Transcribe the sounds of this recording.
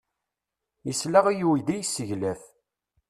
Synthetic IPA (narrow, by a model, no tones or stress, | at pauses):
jəslæʁæjuwid̪æjəsːəʝlæθ